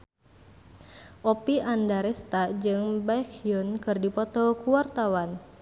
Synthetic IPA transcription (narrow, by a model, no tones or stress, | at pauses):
ʔɔpiʔandaɾɛst̪ad͡ʒɨŋbajkjunkɨrdipɔt̪ɔkuwart̪awan